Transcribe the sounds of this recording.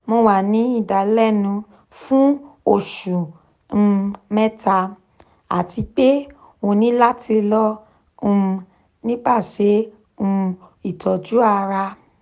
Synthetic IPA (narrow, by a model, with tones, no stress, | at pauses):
mõ˧wa˨nĩ˨˦i˦˨da˨lɛ˦˨nũ˧ | fũ˦o˦˨ʃũ˨˧ | mɛ˦tʰa˧ | a̰˨tʰi˧k͡pe˦ | o˧nĩ˨˦la˦tʰi˧lɔ̃˦˧ | nĩ˦ba˦˨ʃe˨˦ | ũ˧i˦˨tʰɔ˨d͡ʒu˦a˧ɾa˧